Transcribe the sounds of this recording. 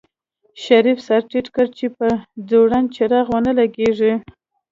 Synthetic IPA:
ʃaɾifsaɾʈiʈkəɾt͡ʃepəd͡zoɽant͡ʃaɾaɣwənəlaɡeʐi

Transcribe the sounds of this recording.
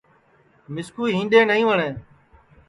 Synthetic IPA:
mɪskuːɦĩːnɗ̪eːnəɦĩːʋəɳẽː

